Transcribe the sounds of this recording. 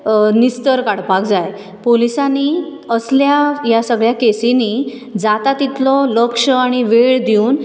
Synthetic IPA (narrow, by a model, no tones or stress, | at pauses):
nist̪əɾkaɽpak̚d͡zaj | polisani | əsljajasəɡɭjakesini | d͡zat̪at̪it̪lɔləkʂəaɽ̃iʋeɭd̪iuːn